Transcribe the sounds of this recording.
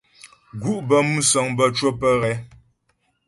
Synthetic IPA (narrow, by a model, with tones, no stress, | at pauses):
ɡu˦˨ʔbə˨˦mu˦sɔ˨ŋbə˦t͡ʃwo˦pə˦ɣɛ˨˦